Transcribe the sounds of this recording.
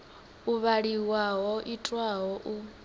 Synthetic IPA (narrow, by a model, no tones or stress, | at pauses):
uβaɺiwaɦɔʔitʼwaɦɔʔu